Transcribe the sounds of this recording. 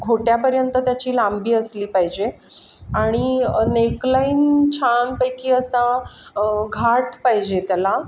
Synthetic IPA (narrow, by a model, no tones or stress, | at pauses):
ɡʱoʈjapəɾjənt̪ət̪jat͡ɕiːlambiːəsliːpaɦid͡ʑe | aɽ̃ineklaiːnt͡ɕʰanpəjkiːəsã | ɡʱaʈpaɦid͡ʑet̪jala